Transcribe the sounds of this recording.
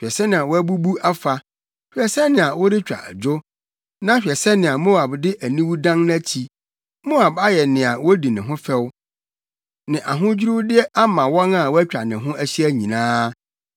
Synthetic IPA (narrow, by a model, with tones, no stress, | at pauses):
ɛ˨sɛ˦nɪ̃˨a˨wɔ˦æ˦bu˦bu˦a˦fa˨ | hᶣɛ˨sɛ˦nɪ̃˨a˨wɔ˦dɪ˦t͡ɕᶣa̰˨d͡ʑʊ˦ | nã˦ɕᶣɛ˨sɛ˦nɪ̃˨a˨mo˦a˨bdɪ˦ʔæ˨nĩ˦wu˦dã˦ŋn˦æ˦t͡ɕʰi˨ | mo˦a˨ba˦jɛ˨nɪ̃˨a˨wɔ˦di˨nɪ̃˨ɦʊ̃˦fɛ˦w | nɪ̃˨ʔa˨ɦʊ̃˦d͡ʑᶣi˦ɾu˦dɪ˦ɛ˦ʔa˦mã˨wɔ̃˦na˨wɔ˦æ˦t͡ɕᶣa˨nɪ̃˨ɦʊ̃˦ʔæ˦ɕi˦æ˦ɲĩ˨nãː˦